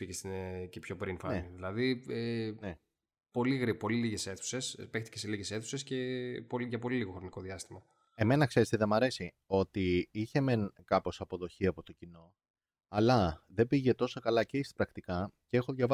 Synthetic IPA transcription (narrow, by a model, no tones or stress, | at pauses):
picest̪cepço̞pɾinfɐneniðilɐðiene | po̞liɣɾipo̞liliʝe̞se̞θu̥se̞spext̪i̥ceseliʝe̞se̞θuse̞sce̞poliʝɐpo̞liliɣo̞xɾo̞niko̞ðiɐst̪imɐ | e̞me̞nɐkse̞ɾest̪eðe̞mɐɾe̞si | o̞t̪iiçe̞me̞nkɐpo̞sɐpo̞ðo̞çiɐpo̞t̪o̞cino̞ | ɐlɐðe̞biʝe̞t̪o̞sokɐlɐceist̪ɐ̥pɾɐkt̪ikɐceexoðʝɐvɐ